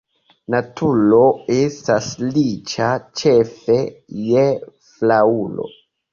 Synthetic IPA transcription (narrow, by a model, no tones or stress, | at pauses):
natʰuloestaslit͡ʃat͡ʃefe̞je | flaulo̞̰